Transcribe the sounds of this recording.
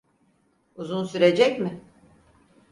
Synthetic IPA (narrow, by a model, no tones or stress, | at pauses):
uzunsyɾe̞d͡ʒɛcmɪ